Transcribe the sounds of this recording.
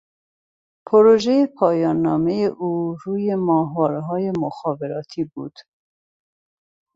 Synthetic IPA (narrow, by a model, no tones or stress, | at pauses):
pʰoɾoʒejepʰɑːjɑːnːɑːmejeʔuːɾuːjemɑːɦwɑːɾɛɦɑːjemoxɑːveɾɑːt̪ʰibuːd̪̥